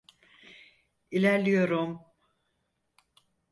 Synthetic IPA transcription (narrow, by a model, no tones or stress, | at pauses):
ilʲæɾlʲijo̞ɾum